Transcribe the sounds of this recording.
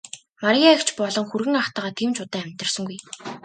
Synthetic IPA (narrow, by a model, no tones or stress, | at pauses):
maɾiakt͡ɕpɔɮɞ̆ŋxurɣɘ̆ŋaχt̪aːʁaːt̪ʰiːmt͡ɕʊt̪æːæmʲt̪ə̆r̥sə̆ŋɡuj